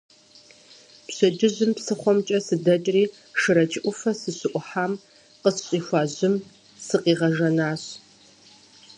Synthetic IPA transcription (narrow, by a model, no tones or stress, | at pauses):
pɕɐd͡ʒɨʑɪmpsɨχʷɔmt͡ʃʼɐsɨdɐt͡ʃʼriː | ʂɨɾɐt͡ʃʰɪʔʷʊfɐsɨɕɨʔʷʊħaːm | qəsɕʼiːxʷaːʑɪm | sɨqiːʁɐʒɐnaːɕ